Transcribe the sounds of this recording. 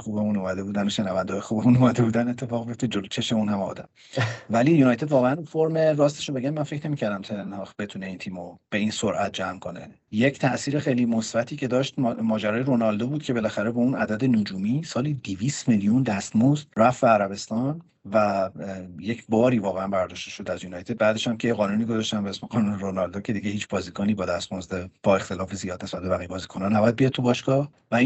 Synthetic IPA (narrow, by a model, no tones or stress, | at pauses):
xubemunumæd̪e̞buːd̪ænoʃenævænd̪eːjexuːbemunumæd̪e̞buːd̪æne̞t̪ʰːe̞fɒːɣbijoft̪ed͡ʒolot͡ʃʰeʃeunhæmɒ̰ːd̪æm | væliːjunɒjt̪ʰe̞d̪vɒːɣeænunfoɾmerɒːst̪eʃobe̞ɡænmænfe̞cʰne̞miːcʰæɾd̪æmt̪ʰelenhɒːxbe̞t̪ʰune̞iːnt̪ʰiːmob̥e̞insoɾʔæt̪̚d͡ʒæmkʰo̞ne̞̰ | je̞cʰt̪ʰæʔsiːɾexejliːmosbæt̪ʰiːcʰe̞d̪ɒːʃt̪mɒːd͡ʒæɾɒːjeɾonɒld̪obuːd̪̥̚cʰe̞be̞læxæɾe̞bɒunæd̪æd̪enod͡ʒuːmiːsɒːliːd̪iviːst̪melijund̪æst̪mozd̪ræfbeːɾæbe̞st̪ɒn | væ | je̞cʰbɒːɾiːvɒːɣeænbæɾd̪ɒːʃt̪e̞ʃo̞d̪æzjunɒːjt̪ʰe̞d̪̚bæːd̪e̞ʃæmcʰejeɣɒːnuːniːɡozɒʃt̪æmbeesmeʁɒːnuːneɾonɒld̪oːcʰe̞d̪iɟehiːt͡ʃʰb̥ɒːzikʰɔːniːbɒːd̪æst̪mozd̪eb̥ɒe̞xt̪e̞lɒːfezijɒːd̪ne̞sbæt̪̚bebæɣijebɒːzikʰonɒnæbɒjæd̪̚bijɒdt̪̚t̪ʰubɒːʃɡɒːh | væi